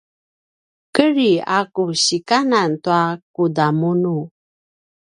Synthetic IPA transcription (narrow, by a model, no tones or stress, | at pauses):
kəɾiakuɕikanantuak̚udamunu